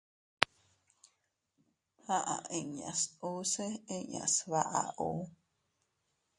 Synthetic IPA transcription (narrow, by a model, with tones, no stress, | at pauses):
ha˦ʔa˨ʔe˦˨ɲa̰˨su˦se˦e˦ɲa̰˨sβa˦ʔa̰˨ʔu˦